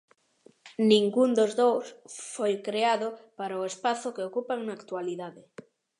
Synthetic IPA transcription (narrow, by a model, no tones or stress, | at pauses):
nĩŋɡund̪ozðowsfojkɾeaðʊpaɾaoespaθʊkeokupaŋnaːkt̪waliðaðɪ